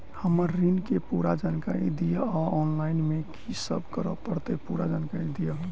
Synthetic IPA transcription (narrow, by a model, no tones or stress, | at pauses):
həməɾːinkepuɾad͡ʒankaɾḭd̪ijəɔɔnlainmekʰisə̰bkəɾə̰pəɾt̪epuɾad͡ʒankaɾid̪ijə